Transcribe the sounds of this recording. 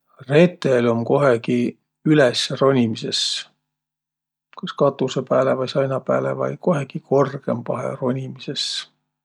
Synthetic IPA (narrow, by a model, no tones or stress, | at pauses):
re̞t̪ːˑelo̞mko̞ɦeki | ylesro̞nʲimise̞s | kɑskɑt̪ːˑusepæːlevɑjsɑjnɑpæ̰ːlḛvɑ̰jko̞ɦeɡ̥iko̞rɡ̥e̞̰mpɑɦḛro̞nʲimise̞s